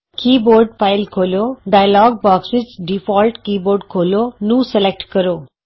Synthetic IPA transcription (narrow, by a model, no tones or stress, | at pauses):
kiːboːɾɖ̚faɪlkʰoːljoɖaːjlɔːɡ̚bɔːksɪd͡ʒɖifɔːlʈkiːboːɾɖkʰoːlonũːselek̚ʈkəɾoː